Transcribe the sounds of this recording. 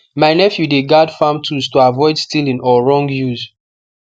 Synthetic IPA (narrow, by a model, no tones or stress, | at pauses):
majnɛfjudeɡadfãmtʰuztoavɔɪdstilĩnɔɹɔ̃ŋɡjuz